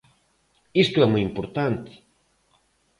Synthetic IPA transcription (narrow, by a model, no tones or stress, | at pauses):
ist̪oɛmojimpoɾt̪ant̪ɪ̥